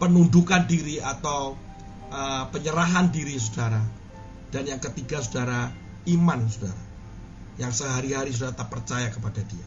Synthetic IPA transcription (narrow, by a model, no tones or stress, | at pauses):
pənundukandiɾiat̪aw | ʔəpəɲəɾaɦandiɾis̬ud̥aɾa | d̥anjaŋkət̪iɡasudaɾa | imansuda̰ɾa | jaŋsəɦaɾiɦaɾis̬udaɾat̪əpərt͡ʃajakəpad̥adia